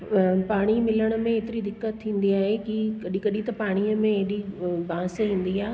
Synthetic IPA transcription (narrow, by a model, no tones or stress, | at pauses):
paːɽ̃imɪləɽ̃ə̆mẽeːt̪ɪɾid̪ɪkːət̪ʰːĩːn̆d̪iaːɦekikɐɗĩkɐɗĩt̪ɐpaːɽ̃iːəmẽeɗibãːsɦĩːn̆d̪iaː